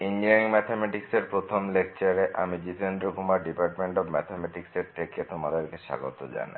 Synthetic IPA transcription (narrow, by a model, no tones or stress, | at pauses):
ind͡ʒiiŋmɛt̪ʰemɛʈikseɾpɾot̪ʰomlek̚t͡ɕaɾeʔa̰mid͡ʑit̪ʰend̪ɾokumaɾɖipaɾʈmeɳʈɔbmɛ̰t̪ʰemɛʈikseɾt̪ʰeket̪omad̪eɾkeʃa̰ɡo̰t̪o̰d͡ʑa̰na̰